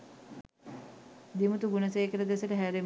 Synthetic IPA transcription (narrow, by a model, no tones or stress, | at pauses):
d̪imut̪uɡunɐseːkələd̪esəʈəɦæːɾe